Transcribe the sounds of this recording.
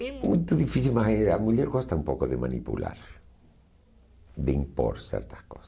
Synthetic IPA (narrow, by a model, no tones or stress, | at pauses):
emũjt̪oðifisilmaseamuʎɛɾɣost̪aumpokoðemã̰nḭpṵla̰ɾ | d̪eimpo̰ɾsɛ̰ɾt̪ḁskosḁ